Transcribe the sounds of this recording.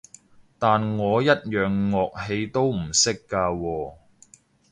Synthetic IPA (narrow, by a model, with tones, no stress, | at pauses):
t̪aː˨nŋɔː˨˧jɐ˥t̚jœː˨ŋːɔː˨k̚he˧jt̪o˥wm̩˨˩sɪ˥kːaː˧wɔː˧